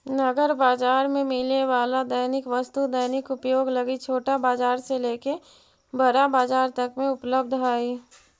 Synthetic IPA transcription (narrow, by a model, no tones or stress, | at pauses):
nɐɡəɾbaːd͡ʒaːɾmẽmɪlneʋaːlad̪əjnɪkʋɐst̪ud̪əjnɪkʊpjoːɡlɐɡit͡ʃʰoːʈabaːd͡ʒaːɾseleːke | bəɾabaːd͡ʒaːɾt̪ɐkmẽʊpləbd̪ʱɦaːi